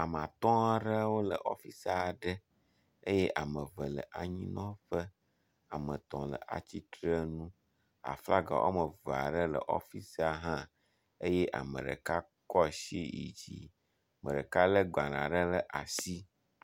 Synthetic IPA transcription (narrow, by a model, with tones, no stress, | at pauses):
a˨m˨ã˨t̪ɔ̃˦a˦ɖə˦wo˦lə̰˨ʔɔ˦fi˦sa˨ɖə˦ | e˦jɛ˦ʔa˨mə̃˨və˨lə̰˨ʔa˨ɲĩ˦nɔ̃˦ɸə˦ | a˨mə̃˨t̪ɔ̃˨lə̰˨ʔa̰˨t͡ɕi˦t̪ɾə˦nũ˦ | a̰˨fla˦ɡa̰˨wʔo̰˦mə˨va̰˨ɖə˦lə̰˨ʔɔ̰˦fi˦sa˨ɦã˦ | e˦jɛ˦ʔa̰˨mə̰̃˨ɖə̰˨ka˦ | kɔ˦˨ʃi˦ḭ˨d͡ʑḭ˨ | mə̰̃˨ɖə˨ka˦lə˦ɡ͡ba˨nã̰˨ɖə˦lə˦ʔa˨si˦